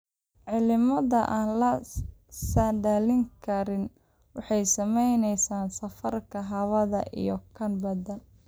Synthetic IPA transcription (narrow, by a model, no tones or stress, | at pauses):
ʕɪlɪmɐðɐʔaːnlɐ | sɐnɖaːlɪŋkʰɐɾɪn | wɑħɑjsɐmɛjnɛjsaːnsɐfɐrkʰɐɦɐβɐðɐ̰ʔḭjɔkʰɐnbɐðɐn